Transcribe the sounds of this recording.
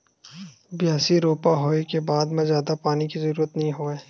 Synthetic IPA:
bjaːsiɾoːpaɦoːekebaːd̪mẽzjaːd̪apaːnikizəɾuːɾət̪nɐɦĩɦoːeː

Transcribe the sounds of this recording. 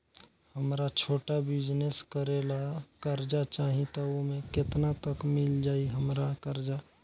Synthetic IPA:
həmɾat͡ʃʰoːʈabɪd͡ʒneskəɾelakəɾd͡ʒat͡ʃaːɦĩt̪aomẽkɪt̪nat̪əkmɪld͡ʒaːiɦəmɾakəɾd͡ʒa

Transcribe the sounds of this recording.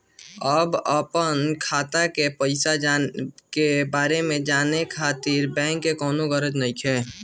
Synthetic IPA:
əbəpənkʰaːt̪akepəɪsad͡ʒakebaːɾemẽd͡ʒaːnekʰaːt̪ɪɾbɛ̃ːŋkːekɔːnoɡəɾəd͡ʒnəɪkʰɦɛ̃ː

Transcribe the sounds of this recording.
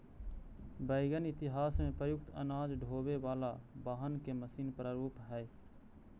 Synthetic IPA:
bəɪɡənɪt̪ɪɦaːsmẽpɾəjʊk̚t̪ə̰naːd͡ʒɖʱoːbeʋaːlabaːɦənkeməsiːnpɾaːɾuːpɦɛː

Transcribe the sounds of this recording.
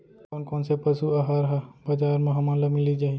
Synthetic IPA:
koːnkoːnsepɐsuɐɦaɾɐɦabɐd͡ʒaːɾmɐɦɐmãlɐmilid͡ʒaːɦi

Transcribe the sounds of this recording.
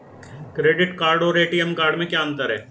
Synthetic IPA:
kɾeːɖɪʈkaːɾɖoːɾeːʈijəmkaːɾɖmẽkjaːə̃nt̪əɾɦɛ̰ː

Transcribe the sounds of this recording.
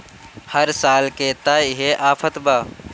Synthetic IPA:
hɐɾsaːlket̪aːɦeʔaːfʰət̪baː

